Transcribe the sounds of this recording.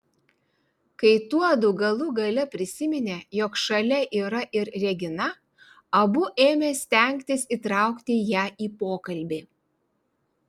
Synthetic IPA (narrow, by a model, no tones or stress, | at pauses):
kɐɪt̪uɔd̪ʊɡɐlˠʊɡɐlʲɛpʲɾʲɪsʲɪmʲɪnʲeːjoːkʃɐlʲɛʔiːɾɐʔɪɾɾʲɛɡʲɪnɐ | ɐbʊʔeːmʲeːsʲt̪ʲɛˑŋʲkʲt̪ʲɪsiːt̪ɾɑˑʊkt̪ʲɪjæːʔiːpoːkɐlʲbʲeː